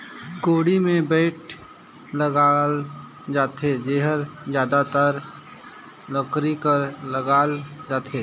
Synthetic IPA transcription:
koːɽimẽbəɪʈ̚ʰ | ləɡaːl | d͡ʒaːt̪ed͡ʒeːɦəɾd͡ʒjaːd̪at̪aɾ | lɔkɾikəɾləɡaːld͡ʒaːt̪eː

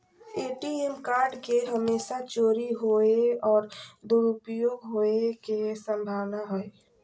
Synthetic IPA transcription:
eːʈiemkaːɾɖkeɦəmeːʃat͡ʃoːɾiɦoːeɔːɾd̪uɾʊpjoːɡɦoːekesə̃mbʱaːʋnaɦoe

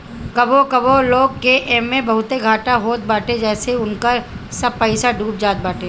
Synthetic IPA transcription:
kɐbokɐboloːɡ̚keʔɛːmːẽbɐɦʊt̪eɡʱaːʈaɦoːt̪̚baːʈẽd͡ʒɛːseʊnkəɾsɐb̚pəɪsaɖʱuːp̚d͡ʒaːt̪̚baːʈẽː

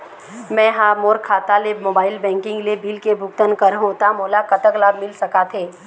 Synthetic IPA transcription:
mɛ̃ːɦaːmoːɾkʰaːt̪alemoːbaːɪlbɛ̃ːŋkɪ̃ŋɡlebiːlkebʱʊk̚t̪ənkəɾɦõt̪amoːlakɐt̪əklaːbmɪlsɐkat̪ʰeː

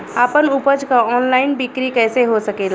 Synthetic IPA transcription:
aːpənuːpəd͡ʒkaɔːnlaːɪnbɪkɾikɛːseɦosɐkeːl

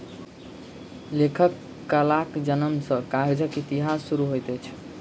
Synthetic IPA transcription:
lekʰəkː | əlakd͡ʒənəmsə̃kaɦed͡ʒəkit̪iɦasːuɾuɦojt̪ɛt͡ʃʰ

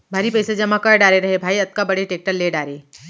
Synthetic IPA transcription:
bʱaːɾipɛːsed͡ʒɐmakɐɾɖaːɾeɾɐɦebʱaːiɐt̪̚kabɐɽeʈeːk̚ʈəɾleːɖaːɾeː

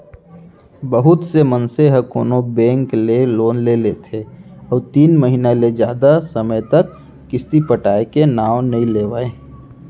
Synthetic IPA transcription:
bəɦʊt̪semənseɦəkoːnobɛ̃ːŋkleloːnlelet̪ʰeɔːɾt̪iːnməɦinaled͡ʒjaːd̪asəməjt̪əkː | ɪst̪ipəʈaːekenaːwnɐɦĩleːʋaeː

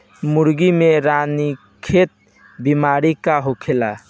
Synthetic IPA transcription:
muɾɡimeɾani | kʰet̪̚ | bimaɾikaɦokʰela̰

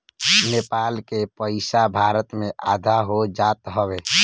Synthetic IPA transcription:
nepalkepəɪsabʱaɾət̪mẽʔad̪ʱaɦod͡ʒat̪ɦəbe

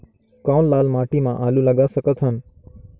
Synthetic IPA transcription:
kãːllaːlmaːʈiːmãːʔaːluːləɡaːsəkət̪ʰɦən

